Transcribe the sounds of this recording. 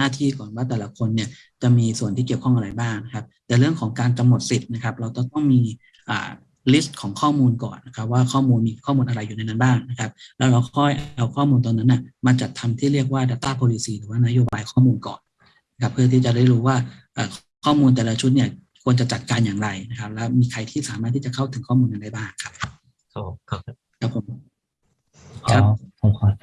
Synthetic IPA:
naː˥˩t̪ʰiː˥˩kɔː˨˩nwaː˥˩t̪̬ɛː˨˩la˧˦˥kʰo˧nːi˥˩ɐ | t͡ɕa˨˩miː˧su˨˩ənt̪ʰiː˥˩ki˨˩əwkʰɔ˥˩ŋʔɾa˧jbaː˥˩ŋna˦˥kʰa˦˥p̚t̪ɛː˨˩ɾɯ˥˩əŋkʰɔː˩˦ŋkaː˧nka˧mno˨˩t̪̚si˨˩t̪̚na˦˥kʰa˦˥p̚ɾa˧wt̪ɔ˥˩ŋt̪ɔ˥˩ŋmiː˧ | ʔa̰ː˨˩ | li˦˥st̪̚kʰɔː˩˦ŋkʰɔː˥˩muː˧nkɔ̰ː˨˩nːa˦˥kʰa˦˥p̚waː˥˩kʰɔː˥˩muː˧nmiː˧kʰɔː˥˩muː˧nʔa˧ɾa˧jːu˨˩na˧jna˦˥nbaː˥˩ŋna˦˥kʰa˦˥p̚lɛː˦˥wɾa˧wkʰɔ˥˩jʔʔa˧wkʰɔː˥˩muː˧nt̪ɔː˧nːa˦˥nːa˧˥˩ma˧nt͡ɕa˨˩t̪ʰːa˧mt̪ʰiː˥˩ɾi˥˩ək̚waː˥˩daː˧˩t̪aː˥˩poː˧li˧siː˧ɾɯː˩˦waː˥˩na˦˥joː˧baː˧jkʰɔː˥˩muː˧nkɔ̰ː˨˩n | na˦˥kʰa˦˥pʰːɯ˥˩ɐt̪ʰiː˥˩t͡ɕa˨˩ɾa˥˩ɾuː˦˥waː˥˩ʔəː˨˩k | kʰɔː˥˩muː˧nt̪ɛː˨˩la˦˧t͡ɕʰu˦t̪̬̚ni˥˩ɐ | kʰu˧ənt͡ɕa˨˩t͡ɕa˨˩t̪̚kaː˧njaː˨˩ŋɾa˧jna˦˥kʰa˦˥p̚lɛː˦˥wmiː˧kʰa˧jt̪ʰiː˥˩saː˩˦maː˥˩t̪ʰːi˥˩t͡ɕa˨˩kʰa˥˩wt̪ʰɯ˩˦kʰɔː˥˩muː˧nka˧nda˥˩jbaː˥˩ŋkʰa˦˥p̚ | kʰa˦˥ | kʰa˦˥pʰːo˨˩˦m | kʰa˦˥kʰɔ˨˩kʰɔ˧

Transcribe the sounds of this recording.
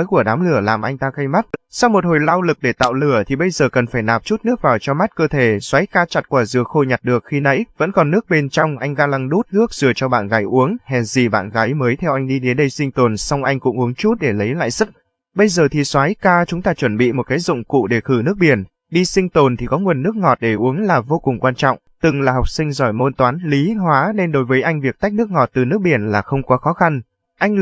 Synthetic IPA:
jku˧˩əɗaː˨˦mlɨ˧˩əlaː˨˩mʔa˧jŋ̟t̪aː˧ɣə˧jma˦˥t̚sa˧wmo˨˩t̚ho˨˩jlaː˧wlɨ˨˩k̚ɗe˧˩t̪a̰ː˧˨wlɨ˧˩ət̪ʰi˨˩ɓə˧jzəː˨˩kə˨˩nfaː˧˩jnaː˨˩p̚t͡ɕu˦˥t̚nɨ˦˥ək̚vaː˨˩wt͡ɕɔ˧ma˦˥t̚kəː˧t̪ʰe˧˩swaː˨˦jkaː˧t͡ɕa˨˩t̚kwaː˧˩zɨ˨˩ək̚xo˧jɲa˨˩t̚ɗɨ˨˩ək̚xi˧nə̰˧˥jvə̰˧˥nkɔ˨˩nːɨ˦˥ək̚ɓe˧nt͡ɕɔ˧wŋ͡mʔa˧jŋ̟ɣaː˧la˧ŋɗu˦˥t̚lɨ˦˥ək̚z̥ɨ˨˩ət͡ɕɔ˧ɓa̰ː˧˨nɣaː˨˦jʔu˨˦əŋhɛ˨˩zi˨˩ɓa̰ː˧˨nɣaː˨˦jməː˨˦jt̪ʰɛ˧wʔa˧jŋ̟ɗi˧ɗe˨˦nɗə˧jsï˧ŋ̟t̪o˨˩nsa˧wŋ͡mʔa˧jŋ̟kʊ̰˧˥ŋ͡mʔu˨˦əŋt͡ɕu˦˥t̚ɗe˧˩lə˨˦jla̰ː˧˨jsɨ˦˥k̚ | ɓə˧jzəː˨˩t̪ʰi˨˩swaː˨˦jkaː˧t͡ɕʊ˨˦ŋ͡mt̪aː˧t͡ɕwə˧˩nɓḭ˧˨mo˨˩t̚kaː˨˦jzʊ̰˧˨ŋ͡mkṵ˧˨ɗe˧˩xɨ˧˩nɨ˦˥ək̚ɓi˧˩ən | ɗi˧sï˧ŋt̪o˨˩nt̪ʰi˨˩kɔ˨˦ŋwə˨˩nːɨ˦˥ək̚ŋɔ˨˩t̚ɗe˧˩ʔu˨˦əŋlaː˨˩vo˧kʊ˨˩ŋ͡mkwaː˧nt͡ɕɔ̰˧˨wŋ͡mt̪ɨ˨˩ŋlaː˨˩hɔ˨˩wk͡p̚sï˧ŋ̟zɔ˧˩jmo˧nt̪waː˨˦nli˨˦ɦwaː˨˦ne˧nɗo˨˦jvəː˨˦jʔa˧jŋ̟vi˨˩ək̚t̪a˦˥jk̚nɨ˦˥ək̚ŋɔ˨˩t̚t̪ɨ˨˩nɨ˦˥ək̚ɓi˧˩ənlaː˨˩xə˧wŋ͡mkɔ˨˦xɔ˨˦xa˧n | ʔa˧jŋ̟

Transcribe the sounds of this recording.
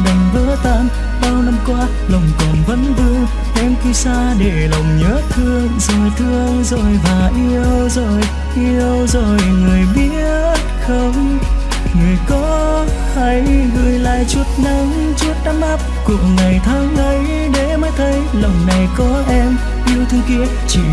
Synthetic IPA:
ɗə˨˩ŋvəː˧˦t̪aː˧n | ɓaː˧wna˧mkwaː˧˦ | lə˨˩wŋ͡mkɔ˨˩nvə̰˧˨˦nvɨ˧əŋ | ʔɛ˧mki˧saː˧ɗe˧˩lə˨˩wŋ͡mɲəː˨˦˥t̪ʰɨ˧əŋzəː˨˩t̪ʰɨ˧əŋzo˨˩jvaː˨˩ʔi˧əwzo˨˩j | ʔi˧əwzo˨˩jŋɨ˨˩əjɓi˦˥əə | t̚xə˧wŋ͡m | ŋɨ˨˩əjkɔ˨˦ | hə˨˦jɣɨ˨˩jla̰ː˧˨jt͡ɕwu˦˩t̚na˨˦ŋ | t͡ɕu˦˥ət̚ɗaː˧˦mʔa˦˥p̚ku˨˩ək̚ŋːa˨˩jt̪ʰaː˨˦ŋʔə˨˦j | ɗe˧˩maː˨˦jt̪ʰə˨˦j | lə˨˩wŋ͡mna˨˩jkɔ˨˦ʔɛ˧m | ʔi˧əwt̪ʰɨ˧əŋki˧˥ənt͡ɕḭ˧˨

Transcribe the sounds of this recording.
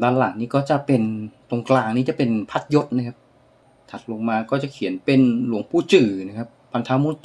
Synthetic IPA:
d̪aː˧nla˨˩˦ŋniː˦˥kɔː˥˩t͡ɕa˨˩pe˧nt̪o˧ŋklaː˧ŋniː˦˥t͡ɕa˨˩pe˧npʰa˦˥t̪̚jo˦˥t̪̚na˦˥kʰa˦˥p̚ | t̪ʰa˨˩t̪̚lo˧ŋmaː˧kɔː˥˩t͡ɕa˨˩kʰi˨˩˦ənpe˧nlu˩˦əŋpʰuː˧˥˩t͡ɕɯː˨˩na˦˥˩kʰa˦˥p̚ːa˧nt̪ʰaː˦˥muː˧˥˦t̪

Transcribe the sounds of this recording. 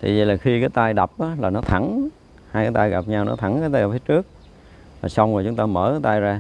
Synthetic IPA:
t̪ʰi˨˩zḭ˨˩laː˨˩xi˧kaː˨˦jt̪a˧jɗa˨˩p̚ʔaː˨˦laː˨˩nɔ˨˦t̪ʰa˧˩n | haː˧jkaː˨˦jt̪a˧jɣa˨˩p̚ɲa˧wnɔ̰˨˦t̪ʰa˧˩˦nkaː˨˦jt̪aː˧jɣa˨˩p̚fiː˨˦jt͡ɕɨ˦˥ək̚ | vaː˨˩sa˧wŋ͡mla˨˩t͡ɕʊ˨˦ŋ͡mt̪aː˧mə̰ː˧˦a˨˦jt̪a˧jzaː˧

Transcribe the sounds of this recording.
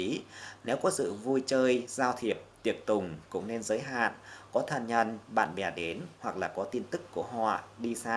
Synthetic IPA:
i˨˦nɛ˨˦wkɔ˨˦sɨ̰˧˨vu˧jt͡ɕəː˧jzaː˧wt̪ʰi˨˩əp̚t̪i˨˩ək̚t̪ʊ˨˩ŋ͡mkʊ̰˧˥ŋ͡mne˧nzəː˨˦jɦa̰ː˧˨nkɔ˨˦t̪ʰə˨˩nɲə̰˧˩nɓa̰ː˧˨nɓɛ˨˩ɗe˨˦nhwa˨˩k̚laː˨˩kɔ˨˦t̪i˧nt̪ɨ˦˥kːu˧˩əɦɔ̰˧˨ɗi˧saː˧

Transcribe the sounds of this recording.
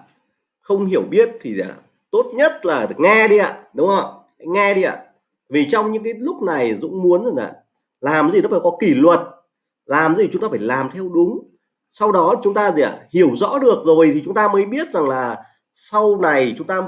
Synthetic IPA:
xə˧wŋ͡mɦi˧˩əwɓi˦˥ət̚t̪ʰi˨˩aː˨˩ | t̪o˦˥t̚ɲə˦˥t̚laː˨˩˨ŋɛ˧ɗi˧a̰ː˧˨ɗʊ˨˦ŋ͡mhə˨˧˩w | la̰˧˥˦jŋɛ˧ɗi˧ʔa̰ː˧˨ | vi˨˩t͡ɕɔ˧wŋ͡mɲɨ̰˧˥ŋkaː˨˦jlʊ˦˥k͡p̚na˨˩jzʊ̰˧˥ŋ͡mmu˨˦ənza˨˩ŋʔa̰ː˧˨ | laː˨˩m˨i˨˩nɔ˨˦faː˧˩kɔ˨˦ki˧˩lwə˨˩t̚ | laː˨˩m˨i˨˩t͡ɕʊ˨˦ŋ͡mt̪aː˧faː˧˩jlaː˨˩mt̪ʰɛ˧wɗʊ˨˦ŋ͡m | sa˧wɗɔ˨˦t͡ɕʊ˨˦ŋ͡mt̪aː˧zi˨˩a̰˧˩hi˧˩əwzɔ̰˧˥ɗɨ˨˩ək̚zo˨˩jt̪ʰi˨˩t͡ɕʊ˨˦ŋ͡mt̪aː˧məː˨˦jɓi˦˥ət̚za˨˩ŋlaː˨˩ | sa˧wna˨˩jt͡ɕʊ˨˦ŋ͡mt̪aː˧

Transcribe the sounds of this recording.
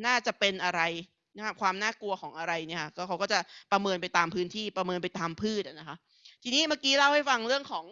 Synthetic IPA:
naː˥˩t͡ɕa˨˩ʔpe˧nʔa˧ɾa˧j | na˦˥kʰa˦˥kwaː˧mnaː˥˩ku˧ɐxʰɔː˩˦ŋʔa˧ɾa˧jni˥˩kʰa˥˩kɔː˥˩kʰa˦wkɔ˥˩t͡ɕa˨˩pɾa˧mɤː˧np̬a˧jt̪aː˧mpʰɯː˦˥nt̪ʰiː˥˩pɾa˧mɤː˧npa˧jt̪aː˧mpʰɯː˥˩t̪̚ʔa˨˩na˦˥kʰa˦˥ | t̪ʰiː˧niː˦˥maː˥˩kiː˦˥la˥˩wha˥˩jfa˧ŋɾɯ˥˩əŋkʰɔː˩˦ŋ

